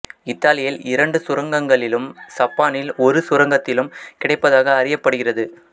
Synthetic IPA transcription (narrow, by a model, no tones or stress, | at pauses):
ɪt̪ːaːlɪjɪlɪɾɐɳɖɯsʊɾɐŋɡɐŋɡɐɭɪlɯmsɐpːaːnɪlɔɾɯsʊɾɐŋɡɐt̪ːɪlɯmkɪɽɐɪpːɐðaːɣɐːrɪjɐpːɐɽɯɣɪrɐðɯ